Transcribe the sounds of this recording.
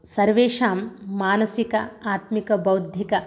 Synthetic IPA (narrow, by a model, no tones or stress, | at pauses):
sɐɾʋeːʃaːmːaːnɐsikɐ̰aːt̪mikɐbɐwd̪ʱjikɐ